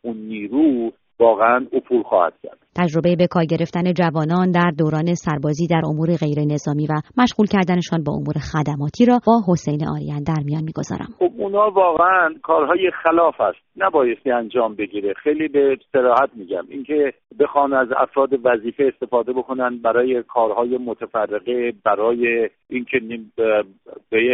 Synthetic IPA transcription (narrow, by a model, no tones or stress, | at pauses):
unːiːɾuː | vɒːɣeænupʰuːlxɒ̰ːhæ̰d̪̚cʲʰæ̰ɾd̪̥t̪ʰæd͡ʒɾo̞be̞jebe̞kʰɒːɾɟe̞ɾe̞ft̪æne̞d͡ʒævɒːnɒːnd̪æɾd̪oːɾɒːne̞sæɾbɒːziːd̪æɾʔo̞muːɾe̞ɣe̞jɾe̞ne̞zɒːmiːvæmæʃɣuːlcʰæɾd̪æne̞ʃɒːnbɒ̰ːʔo̰muːɾe̞xæd̪æmɒːt̪ʰiːɾɒːbɒːɦo̞sejneʔɒ̰ːɾḭænd̪æɾmijɒːnmiːɡ̥o̞̰zɒ̰ːɾʔæ̰mxob̚unhɒːvɒːɣeænkʰɒːɾɦɒːjexælɒːfæst̪̚næbɒːjest̪iænd͡ʒɒːmbe̞ɡiːɾexejliːbe̞seɾɒːhæt̪̚miːɟæ̰miːncʰe̞be̞xɒːnæzæ̰fɾɒːd̪e̞væziːfeːst̪e̞fɒːd̪e̞bokʰo̞nænd̪̚bæɾɒːje̞kʰɒːɾhɒːje̞mot̪ʰæfærːeɣebæɾɒːje | ʔincʰeni | be